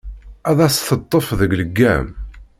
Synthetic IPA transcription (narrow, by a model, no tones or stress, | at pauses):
æðæsθət̪ˤːəfðəɡləɡːæ̰m